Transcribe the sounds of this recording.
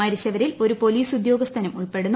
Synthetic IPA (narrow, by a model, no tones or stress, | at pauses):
ɐɾiɕɐʋɐɾilo̞ɾupo̞liːsud̪jo̞ːɡɐst̪ʰɐnɐmuɭpe̞ɽunː